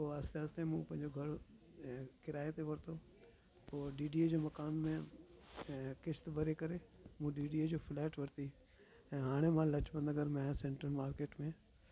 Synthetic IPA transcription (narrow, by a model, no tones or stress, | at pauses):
oːaːsaːst̪ẽmũpɐ̃ɦɪ̃ɲd͡ʑoɡʱɐɾ | kɪɾaːet̪eʋɐɾt̪ʰoː | t̪oːɖiːɖiːd͡ʑoːmɐkaːnmẽ | kɪʃt̪bʱɐɾekɐɾemũːɖiːɖiːed͡ʑoːfʰlɛːʈʋɐɾt̪i | ɛ̃ːɦaːɽ̃emãlɐt͡ɕbə̃nd̪əɡəɾmẽsẽːɳʈəɾmaːɾkeːʈmẽ